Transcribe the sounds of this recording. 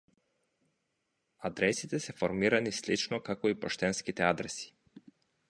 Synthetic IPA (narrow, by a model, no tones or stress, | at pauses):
ad̪ɾɛsit̪ɛsɛfoɾmiɾanislit͡ʃnokakoipoʃt̪ɛnskit̪ɛad̪ɾɛsi̥